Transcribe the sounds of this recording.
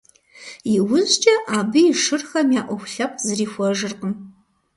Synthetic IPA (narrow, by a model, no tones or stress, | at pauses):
jiwʊzt͡ʃʼɐʔaːbɨiʂɨrxɐmjaːʔʷɔxʷɬɐpʰʼzɨriːxʷɐʐɨrqʼəm